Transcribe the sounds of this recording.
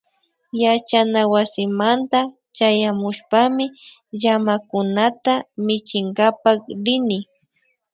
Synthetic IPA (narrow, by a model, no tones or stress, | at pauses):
jat͡ʃanawasɪmant̪a | t͡ʃajamʊʃpamɪ | ʒamakʊnat̪amɪt͡ʃɪŋɡapakɾɪnɪ